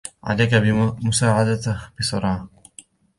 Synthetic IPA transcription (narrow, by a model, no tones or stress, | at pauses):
ʕa̰lajkabɪmʊsaːʕad̪at̪b̥ɪsˤɑɾˤɑː